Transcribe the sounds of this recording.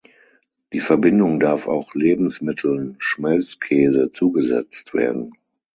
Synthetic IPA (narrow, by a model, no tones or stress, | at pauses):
d̥iːfɛɐbɪndʊŋdaɐfa̰ʊxleːbm̩smɪtʰl̩nʃmɛlt͡skʰɛːzət͡suːɡəzɛ̰t͡stv̥ḛːɐdn̩